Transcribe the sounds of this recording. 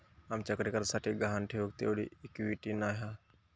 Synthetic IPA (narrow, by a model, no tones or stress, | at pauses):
aːmt͡ʃəkɽeːkəɾsaːʈʰeɡəɦaːnʈʰeːoːkt̪ḛːoːɽḭːɪkʋiːʈiːnaːɦaː